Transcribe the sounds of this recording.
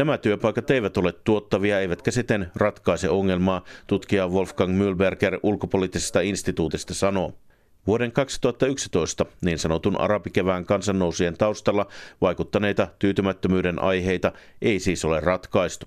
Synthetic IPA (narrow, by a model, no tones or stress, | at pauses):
næmæt̪yøpɑjkɑt̪e̞ijʋæt̪o̞le̞t̪ːuo̞t̪ːɑʋiɑejʋæt̪kæsit̪ːenrɑt̪kɑisḛoŋːe̞lmɑːt̪ut̪kiɑʋo̞lfkɑŋmylberkerʔulkopoliːt̪ːisest̪ɑinst̪it̪uːt̪ist̪ɑsɑno̞ | ʋuode̞ŋkɑksi̥t̪uhɑt̪ːɑyksi̥t̪o̞ist̪ɑniːnsɑno̞t̪unʔɑ̰ɾɑpik̟eʋæːŋkɑnsɑnːo̞wsie̞nt̪ɑuwst̪ɑlːɑʋɑjkut̪ːɑne̞jt̪ɑt̪yːt̪ymæt̪ːømyːde̞nʔɑ̰jɦe̞jt̪ɑʔe̞isiːso̞le̞rrɑt̪kɑist̪u̥